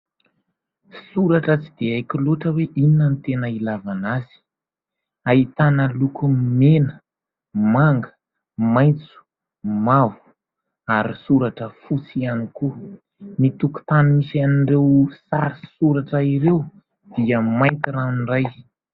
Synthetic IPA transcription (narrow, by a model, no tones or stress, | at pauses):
suɾaʈ͡ʂət͡sid̪̥eajkiluʈ͡ʂəweʔininːənit̪enəilavanaz̥i̥ | ait̪anəlukumenə | maŋɡə | majnt͡su̥ | mavu̥ | aɾisuɾaʈ͡ʂəfut͡sianiku | nit̪uku̥t̪anumisaniɳɖ͡ʐewsaɾisuɾaʈ͡ʂəiɾew | d̪̥iəmajnt̪iɾaniraj